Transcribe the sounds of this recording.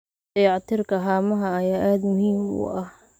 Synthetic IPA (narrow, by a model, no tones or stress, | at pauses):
d̪ɛjɑʕt̪ʰɪrkʰɐɦaːmɐɦɐɐjaːʔaːd̪mʊhiːmʊ̰ʔɐh